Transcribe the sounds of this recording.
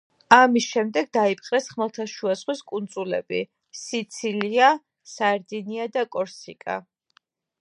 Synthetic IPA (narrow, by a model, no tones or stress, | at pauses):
amisʃɛmd̪ɛɡ̚d̪aipʰʼqʼɾɛsχmɛlˠt̪ʰaʃuasχwiskʼund̪zulɛ̰bḭ | sit̪sʰilia | saɛɾd̪iniad̪akʼɔɾsḭkʼa̰